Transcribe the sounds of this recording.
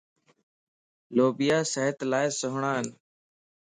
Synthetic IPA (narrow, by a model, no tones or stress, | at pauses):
loːbɪjaːsəɦət̪laːɪsʊɦɳaːɦən